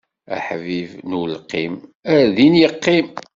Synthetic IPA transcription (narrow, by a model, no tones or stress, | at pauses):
æ̰ħvivnulqːḭmæðinjəqːim